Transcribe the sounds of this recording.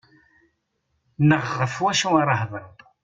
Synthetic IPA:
nəʁːəfwæʃuaɾˤɑhðˤəɾˤðˤ

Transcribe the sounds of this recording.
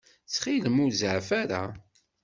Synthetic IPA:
t͡sːχiləmuzəʕfaɾa̰

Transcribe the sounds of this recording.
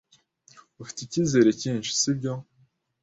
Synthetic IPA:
ufi̥ticizeɾeciːnʃi̥sibɟo

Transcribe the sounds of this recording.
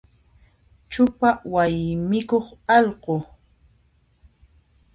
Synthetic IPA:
t͡ʃʊpawajmɪkoχɑʎɢo

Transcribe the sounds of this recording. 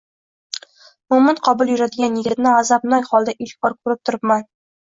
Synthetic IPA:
mʊmɪnqʰɒbʊlˠjʊɾad̪ɪɡʲanːeɡʲɪt̪nɪazɑbnɒjχɒlˠd̪aʔilbɒɾkʰʉɾɪp̚t̪ʰʊɾɪpman

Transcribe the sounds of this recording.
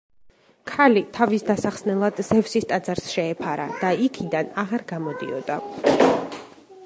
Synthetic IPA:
kʰalit̪ʰavisd̪asaχsnɛlˠad̪zɛvsist̪ʼad̪zaɾsʃɛːpʰaɾa̰d̪̥aikʰid̪anaʁaɾɡamɔd̪ḭɔ̰d̪̥a

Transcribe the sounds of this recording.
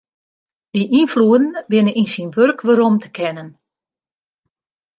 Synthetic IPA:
d̥iʔinfluədn̩bɪnəninsinʋørkʋəɾomtə̥kʰɛnən

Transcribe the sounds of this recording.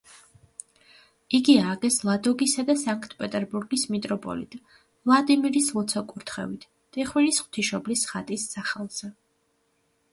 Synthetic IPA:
iɡiaɡɛslˠad̪ɔɡisad̪asaŋkʰt̪ʰʼpʼɛt̪ʼɛɾbuɾɡismit̪ʼɾɔpʼɔ̰lḭt̪ʼ | vlˠad̪imiɾislˠɔt̪sʰɔkʼuɾt̪ʰχɛ̰vit̪ʰ | t̪ʼiχwinisχw̥t̪ʰiʃɔblisχat̪ʼisːaχɛlˠz̥ɛ

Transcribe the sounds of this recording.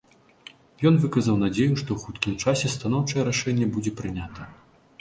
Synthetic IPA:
jɔn̪vɨkɐzɐwn̪ad͡zʲejuʂt̪ɔwxut̪kʲimt͡ʂasʲɛst̪anɔwt͡ʂɐjɛɾaʂɛnʲːɛbud͡zʲɛpɾɨnʲat̪ɐ

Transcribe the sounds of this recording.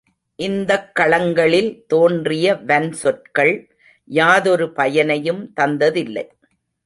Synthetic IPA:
ʔɪnd̪ɐkːɐɭɐŋɡɐɭɪlt̪oːndrɪjɐʋɐnsɔʈ̚kɐɭ | jaːðɔɾɯpɐjɐnɐjɯmt̪ɐnd̪ɐðɪlːɐ̰ɪ

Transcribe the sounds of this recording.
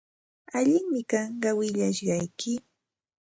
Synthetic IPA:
aʎɪŋmɪkɑɴɢɑwɪʎaʃɢɑjkɪ

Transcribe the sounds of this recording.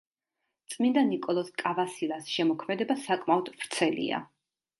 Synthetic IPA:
t̪sʼmind̪anikʼɔlˠɔskʼavasilˠasʃɛmɔkʰmɛd̪ɛbasakʼmaɔd̪v̥ɾt̪sʰɛlḭa̰

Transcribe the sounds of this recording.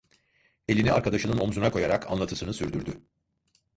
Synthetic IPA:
e̞lʲiniaɾkʰad̪aʃɯnɯno̞mzunakʰo̞jaɾakʰa̰nlˠat̪ʰɯsɯnɯsyɾd̪yɾd̪y

